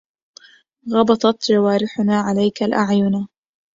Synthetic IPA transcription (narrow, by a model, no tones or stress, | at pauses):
ɣɑbɑt̪ˤɑt̪d͡ʒawaːɾɪħʊnaːʕalajkalʔaʕjʊna